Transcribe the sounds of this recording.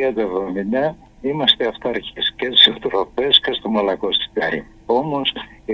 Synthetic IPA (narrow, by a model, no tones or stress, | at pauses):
iɐd̪ɐevðo̞minɐ | imɐst̪e̞ɐft̪ɐɐɾçescest̪i̥set̪ɾofescest̪omɐlɐko̞st̪i̥t̪ɐɾḭ | o̞mo̞s